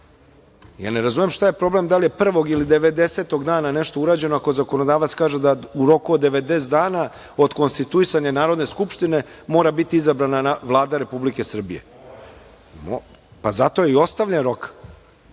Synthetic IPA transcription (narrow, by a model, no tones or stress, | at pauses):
ja̰ːneɾazumemʃt̪aje̞pɾo̞ble̞md̪alijepr̩ʋo̞ɡilid̪e̞ʋe̞d̪e̞se̞t̪o̞ɡd̪aːnane̞ʃt̪ouɾaːd͡ʑe̞noako̞zako̞no̞d̪aːʋat̪skaːʒed̪auɾo̞kuod̪ːeʋed̪eːsd̪aːna | od̪ko̞nst̪it̪uisaɲanaːɾo̞d̪neskupʃt̪ine̞mo̞ːɾabit̪iizabɾananaʋlˠaːd̪aɾe̞publike̞sr̩bije̞̰ | m | pazat̪o̞jeio̞st̪aʋʎʲenɾo̞k